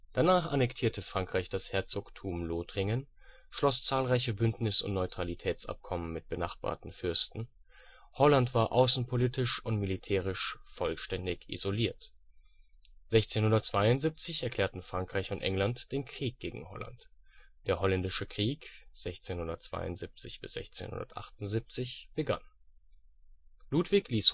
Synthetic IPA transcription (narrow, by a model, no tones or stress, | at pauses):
d̥anaːχanɛktʰiːɐtʰəfʁ̥aŋkʁ̥aɪçd̥ashɛɐt͡soːktʰuːmloːtʁ̥ɪŋən | ʃlɔst͡saːlʁaɪçəbʏntnɪsʊ̰ntnɔʏtʁ̥alitʰɛːt͡sʔa̰p̚kʰɔmənmɪt̚b̥ənaχb̥a̰ːɐtn̩fʏɐstn̩ | hɔlantv̥aːɐʔaʊsn̩pʰoliːtɪʃʊntmilitʰɛːʁ̞ɪʃfɔlʃtɛndɪçʔḭzoliːɐt | z̥ɛçt͡seːnhʊndɐtt͡sv̥aɪʊntzip̚t͡sɪçɛɐkʰl̥ɛːɐtn̩fʁ̥aŋkʁ̥aɪçʊntʔɛ̰ŋlantd̥eːnkʁ̥iːk̚ɡ̥eːɡŋ̩hɔ̰la̰ntd̥eːɐhɔlɛndɪʃəkʁ̥iːkz̥ɛçt͡seːnhʊndɐtt͡sv̥a̰ɪʊ̰ntz̥ip̚t͡sɪçb̥ɪsz̥ɛ̰çt͡sḛːnhʊ̰ndɐ̰tʔa̰χtʊnzip̚t͡sɪçb̥əɡa̰n | luːtv̥ɪçliːs